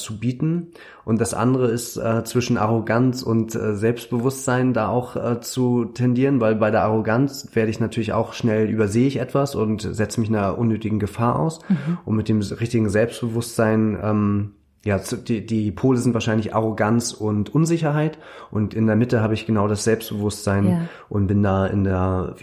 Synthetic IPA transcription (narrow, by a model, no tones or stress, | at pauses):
t͡subiːtn̩ | ʔʊntd̥asʔa̰ndəʁəɪstʔɛːt͡sv̥ɪʃn̩ʔaʁ̞oɡant͡sʊ̰ntɛ̰zɛlpst̚b̥əvʊstz̥aɪndaːaʊxʔɛːt͡sutʰɛndiːʁənvaɪlbaɪɾeːɐʔaʁ̞oɡant͡sv̥eːɐɾəɪçnatʰyːɐlɪça̰ʊxʃnɛlʔy̰ːbɐzeːəɪçʔɛtv̥asʊntz̥ɛt͡səmɪçnaʔʊnːøːtɪɡŋ̩ɡəfaːɐʔa̰ʊsʔʊntmɪt̚d̥eːmʁɪçtɪɡŋ̩zɛlpstb̥əvʊstz̥aɪnʔɛːm | jaːt͡sdidiːpʰoːləzɪntv̥aːɐʃaɪnlɪçʔa̰ʁ̞oɡant͡sʊntʔʊnzɪçɐɦaɪt | ʔʊntʔɪndeːɐmɪtəɦaːbəɪçɡ̥ənaʊɾasz̥ɛlpstb̥əvʊstz̥aɪn | ʔʊnt̚b̥ɪndaːɪ̰ndeːɐ